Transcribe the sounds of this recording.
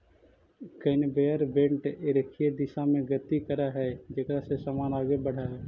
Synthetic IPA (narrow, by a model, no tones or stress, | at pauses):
kənbeəɾbẽːɳʈeɾəkʰied̪ɪʃãːmẽɡət̪ikəɾaɦɛːd͡ʒekɾasesaːmaːnaːɡebəɽ̤aːɦɛː